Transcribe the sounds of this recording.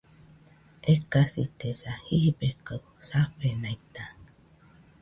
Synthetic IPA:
ekasit̪esahibekaw | saɸenãit̪a

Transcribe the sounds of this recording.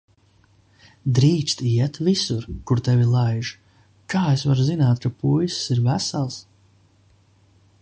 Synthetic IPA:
d̪ɾiːt͡ʃ̪t̪iɛt̪visuɾkuɾt̪ɛvilˠajʒ | kaːesvaɾuzinaːt̪kapujssiɾvæsalˠs

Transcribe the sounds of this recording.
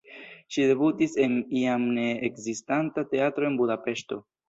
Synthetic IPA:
ʃide̞butise̞niamne̞ekzistantate̞atɾo̞e̞nbudape̞ʃto̞

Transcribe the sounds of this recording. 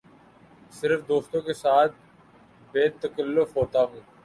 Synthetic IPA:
sɪɾfd̪oːst̪õkesaːt̪̚ʰ | beːt̪əkəlːʊfɦoːt̪aɦũː

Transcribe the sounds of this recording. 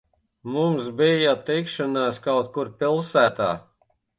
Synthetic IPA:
mumsbijat̪ikʃanaːskawt̪kuɾpʲilˠsæːt̪aː

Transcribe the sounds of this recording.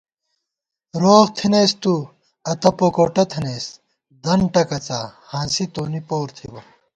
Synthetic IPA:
ɾoːɣt̪ʰinejst̪u | ɐt̪ɐpokoːʈɐt̪ʰɐneːs | d̪ɐɳʈɐkɐt͡sahãːsit̪oːnipoːɾt̪ʰḭbɐ

